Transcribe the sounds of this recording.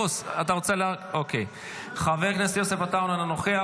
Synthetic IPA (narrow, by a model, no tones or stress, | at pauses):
osat̪aʁo̞t͡selaokej | χaveʁknesjosefat̪aunananoχea